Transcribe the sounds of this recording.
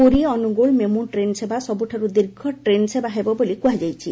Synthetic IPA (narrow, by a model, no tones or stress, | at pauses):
uɾiɔnuɡoɭmemuʈɾensebasɔbuʈʰaɾud̪iɾɡʱɔʈɾensebaɦebɔbolikuɦad͡ʒajt͡ʃʰi